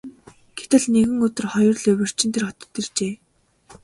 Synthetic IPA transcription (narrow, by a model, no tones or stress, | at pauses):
ɡ̥et̪ɘ̆ɮneɣɘ̆ŋɵt̪ɵ̆rχɔjɞ̆rɮɵwɵ̆r̥t͡ɕɪ̆nt̪ʰerχɔt̪ɞ̆t̪irt͡ɕeː